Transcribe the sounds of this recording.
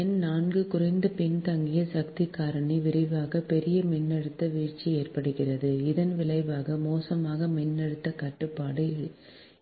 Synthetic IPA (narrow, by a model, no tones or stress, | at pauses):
ɛnnaːnɡɯkʊɾɐɪnd̪ɐpɪnt̪ɐŋɡɪjɐsɐk̚t̪ɪkːaːɾɐɳiʋɪɾɐʋaːɣɐpɛɾɪjɐmɪnːɐɽɯt̪ːɐʋiːrt͡ʃːieːrpɐɽɯɣɪrɐðɯɪðɐnʋɪɭɐɪʋaːɣɐmoːsɐmaːɣɐmɪnːɐɽɯt̪ːɐkɐʈːɯpːaːɽɯ